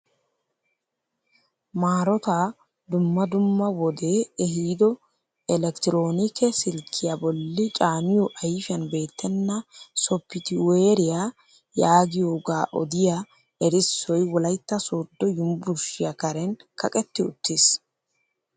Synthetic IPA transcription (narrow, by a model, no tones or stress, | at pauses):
maːɾɔt̪a | d̪ʊmːɐd̪ʊmːɐwɔd̪e̞ːɛɦiːd̪ɔ | ɛlɛkt̪ɪɾo̞ːnɪkɛsɪlkʰːɪjabɔlːɪt͡ʃʼaːmɪjɔʔɐjfɪjɐnbe̞ːt̪ːɛnːɐsɔpːɪt̪ɪweːɾɪja | jaːɡɪjoːɡaːʔɔ̰d̪ɪja | ɛɾɪsːɔjwɔlɐjt̪ːɐsoːd̪ːɔjʊmbʊɾʃɪjɐkɐɾɛnkɐkʼɛt̪ːɪʊ̰t̪ːis